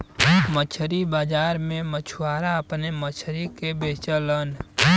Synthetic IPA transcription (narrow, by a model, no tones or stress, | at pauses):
mət͡ʃʰɾibaːd͡ʒaːɾmẽmət͡ʃʰuwaːɾaəpnemət͡ʃʰɾikebet͡ʃələn